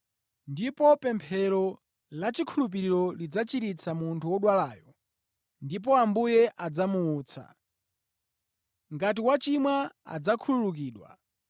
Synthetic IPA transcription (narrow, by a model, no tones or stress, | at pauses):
ndipɔpɛmpʰɛɾɔ | lat͡ʃikʰulup̬iɾiɾɔlid͡zat͡ʃiɾit͡sʰamuntʰuwɔɗwalaːjɔ | ndip̬ɔambujɛʔad͡zamuːt͡sʰa̰ | ŋɡat̬iwat͡ʃimwaa̰d͡zakʰululuk̬iːɗwa̰